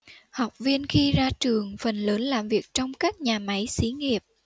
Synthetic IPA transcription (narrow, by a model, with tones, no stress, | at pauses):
hɔ˨˩wk͡p̚vi˧ənxi˧zaː˧t͡ɕɨ˨˩əŋfə˨˩nləː˨˦nlaː˨˩mvi˨˩ək̚t͡ɕɔ˧wŋ͡mkaː˦˥k̚ɲaː˨˩ma˨˦jsi˨˦ŋi˨˩əp̚